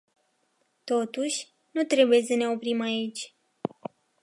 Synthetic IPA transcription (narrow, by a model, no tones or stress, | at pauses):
t̪o̞t̪uʃʲ | nut̪ɾe̞buje̞səne̞o̞pɾimait͡ʃʲ